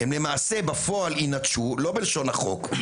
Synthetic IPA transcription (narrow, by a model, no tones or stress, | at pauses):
hemle̞maːse̞bafo̞alinatʃulo̞belʃo̞naχo̞̰k